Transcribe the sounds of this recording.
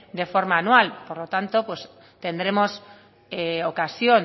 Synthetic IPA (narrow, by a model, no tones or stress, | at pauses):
d̪e̞fo̞ɾmaːnwalpoɾlot̪ant̪opwes | t̪e̞nd̪ɾe̞mo̞s | eokasjon